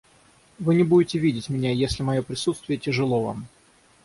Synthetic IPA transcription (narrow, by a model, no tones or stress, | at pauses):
vɨnʲɪbudʲɪtʲɪvʲidʲɪtʲmʲɪnʲajesʲlʲɪmɐjopɾʲɪsut̪st̪vʲɪjətʲɪʐɨlˠo̞va̰m